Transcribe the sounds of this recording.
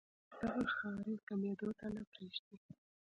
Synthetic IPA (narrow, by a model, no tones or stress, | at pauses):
d̪̥aɣaxɑɾikamed̪ot̪alapɾeʒd̪i